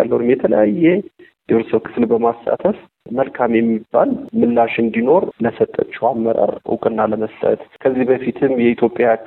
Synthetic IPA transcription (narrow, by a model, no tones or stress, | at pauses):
a̰lːəwunɨmjɛt̪ʰələjajːɛd̪eɾsəwkʰɨ̥flbəmastʼa̰t̪ʰəf | məlkʰamjɛmːibːa̰lmɨlːaʃɨnd̪ino̞ɾləsət̪ʼːə̰t͡ʃːɛwamːəɾa̰ɾɨ̰kʼɨnːaləməst̪ʼə̰t̪kʰəzːihbəfit̪ʰɨmjɛit̪ʰjo̞pʼːja